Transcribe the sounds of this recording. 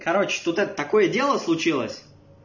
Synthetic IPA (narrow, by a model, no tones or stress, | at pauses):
kɐɾot͡ɕt̪ut̪ɛt̪ət̪ɐko̞jədʲe̞lˠəslˠʊt͡ɕilˠə̰sʲ